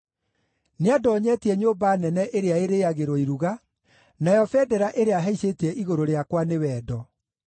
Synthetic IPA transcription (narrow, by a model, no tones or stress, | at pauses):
neadɔːɲɛtiɛɲoːbanɛnɛʔeɾeaeɾeaɣeɾoiɾuɣa | najɔfɛdɛɾaʔeɾeaɦɛiɕetɛʔiɣoɾoɾeakwanewɛːdɔ